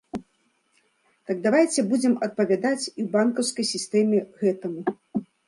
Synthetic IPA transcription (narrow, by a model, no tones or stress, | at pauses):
t̪ɐɡ̚d̪avajt͡sʲɛbud͡zʲɛmɐt̪̚pɐvʲad̪at͡sʲiwbankɐwskɐjsʲist̪ɛmʲɛɣɛt̪ɐmu